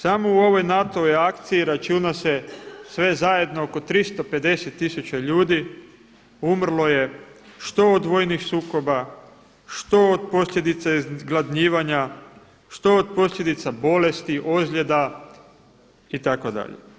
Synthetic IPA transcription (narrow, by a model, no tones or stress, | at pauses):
samouo̞ʋo̞jnat̪o̞ʋojakt̪siiɾat͡ʃunasesʋe̞zaje̞d̪no̞oko̞t̪ɾist̪o̞pe̞d̪e̞set̪ːisut͡ɕaʎuːd̪i | umr̩lˠo̞je̞ʃt̪o̞od̪ʋo̞ːjnixsuːko̞ba | ʃt̪o̞od̪̚po̞slʎje̞d̪it̪saizɡlˠad̪ɲiːʋaɲa | ʃt̪o̞od̪po̞slʎje̞d̪it̪sabo̞le̞st̪iʔo̞zʎe̞d̪a | it̪ako̞d̪a̰ʎḛ